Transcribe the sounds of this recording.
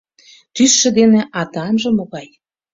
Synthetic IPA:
t̪ysːĕd̪eneʔɑt̪ɑnʒɤ̆moɣɑj

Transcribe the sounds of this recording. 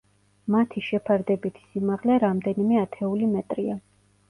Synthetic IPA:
mat̪ʰiʃɛpʰaɾd̪ɛbit̪ʰi̥simaʁlɛɾamd̪ɛnimɛat̪ʰɛulimɛt̪ʼɾia

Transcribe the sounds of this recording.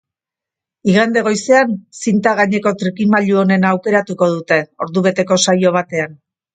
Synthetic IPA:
iɣand̪e̞ɣ̞o̞jse̞ansint̪aɣaɲe̞ko̞t̪ɾikimaʎuo̞ne̞naːwke̞ɾat̪uko̞ð̞ut̪e̞o̞ɾðuβ̞e̞t̪e̞ko̞sajo̞β̞at̪e̞an

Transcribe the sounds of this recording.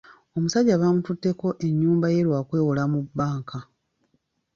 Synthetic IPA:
o̞musaɟːaβaːmututːe̞ko̞ʔe̞ɲːuːmbaje̞lwaːkwe̞ːwolamubːaːŋka

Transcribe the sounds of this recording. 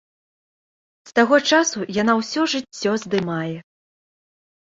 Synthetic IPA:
st̪aɣɔt͡ʂasujanawsʲɔʐɨt͡sʲːɔzd̪ɨmajɛ

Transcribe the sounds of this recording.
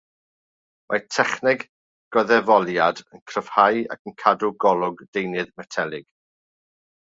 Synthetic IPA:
mʔatʰɛχnɪɡ | ɡ̥ɔðɛvɔlˠjadənkʰrəv̥haja̰kʰənkʰadʊɡɔlˠʊɡdejnɨðmɛtʰɛlˠɪɡ̥

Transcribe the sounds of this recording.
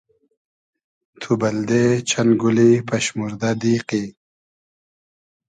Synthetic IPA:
t̪ʰubɐld̪et͡ɕʰɐnɡulipɐɕmuɾd̪ad̪iːqi

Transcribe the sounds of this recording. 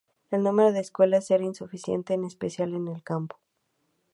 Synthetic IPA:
e̞lnũme̞ɾoðe̞ːskwe̞laseɾainsufisjḛnt̪e̞ːne̞spe̞sjale̞nelkampo̥

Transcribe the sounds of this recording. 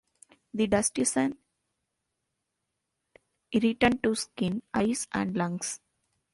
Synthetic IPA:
d̪iɖɐsʈisə̃n | ɾiʈəɳɖ̚ʈuskɪ̃naɪsæ̰̃ɳɖlʌ̃ŋɡs

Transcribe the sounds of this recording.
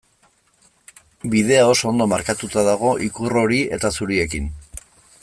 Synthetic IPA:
biðe̞ao̞soo̞nd̪o̞maɾkat̪ut̪aðaɣ̞o̞ʔikuro̞ɾie̞̰t̪asuɾie̞kin

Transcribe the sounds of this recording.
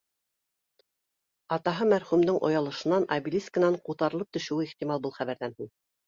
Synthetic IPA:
ɑt̪ɑɦɤmæɾχʉmd̪ɘŋʔŏ̰jɑlˠɤ̆ʃɤ̆nɑnɑbilʲiskə̆nɑɴqut̪ɑɾɤ̆lˠɤp̚t̪ɵ̆ʃɘ̆wɘiχt̪ʲimɑlˠbulˠχæβæɾðænhin

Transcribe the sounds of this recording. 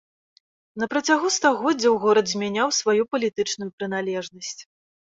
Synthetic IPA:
nɐpɾɐt͡sʲaɣust̪aɣɔd͡zʲɐwɣɔɾɐd̪zʲmʲanʲawsvajupɐlʲit̪ɨt͡ʂnujupɾɨn̪alʲɛʐnɐsʲt͡sʲ

